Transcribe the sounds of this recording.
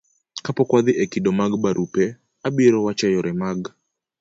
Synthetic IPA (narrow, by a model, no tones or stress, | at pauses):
kapɔkwaðɪʔɛkidɔmaɡbaɾʔupɛ | abiɾɔwat͡ʃajɔɾʔɛmaɡ